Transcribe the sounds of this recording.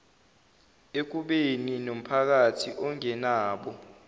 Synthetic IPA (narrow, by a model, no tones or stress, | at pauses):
ek̬uɓeninom̩pʰak̬atʰiʔɔŋɛnaːɓɔ